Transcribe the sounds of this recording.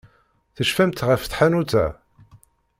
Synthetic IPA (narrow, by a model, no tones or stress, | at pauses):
θəʃfæmt̪ʁəfθħanut͡sæ̰